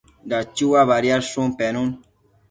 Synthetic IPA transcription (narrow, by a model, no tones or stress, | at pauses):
dat͡ʃiwaβaɾiaɾsũmpɛnũn